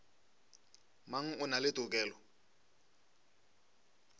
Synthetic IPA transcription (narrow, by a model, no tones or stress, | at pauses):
maŋ̩ʊnalɪtʼʊkʼɛːlɔ